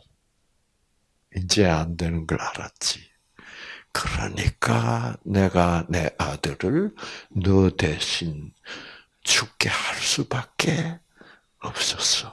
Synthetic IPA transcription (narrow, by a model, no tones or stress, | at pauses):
ind͡ʑe̞andwe̞nɯnɡʌɭaɾa̰t̚t͡ɕ͈i̥ | kɯɾʌ̰ɲḭk͈ane̞ɡane̞ʔadɯɾɯɭnɯde̞ɕʰin | t͡ɕʰuk̚k͈e̞haɭs͈ubak̚k͈e̞ | ʌp̚s͈ʌsʌ̥